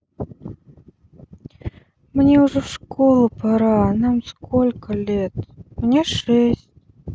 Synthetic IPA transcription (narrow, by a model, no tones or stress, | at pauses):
mnʲeʊʐɛfʂkolˠəpaɾanamskolʲkəlʲet̪mnʲeʂɛsʲt̚ʲ